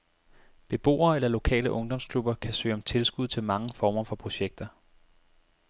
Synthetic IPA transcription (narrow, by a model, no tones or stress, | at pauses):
b̥e̝b̥o̝̰ːɐːelɐlo̝kʰɛ̰ːləʔɔ̽ŋd̥ɒ̽mskʰlub̥ɐkʰæsø̰ːɒ̽mt͡sʰe̝lsɡ̥uð̞̰ˠt͡sʰe̝lmɑ̈ŋəfɒːmɐfɒ̽pʰʁo̝ɕeɡ̥̚d̥ɐ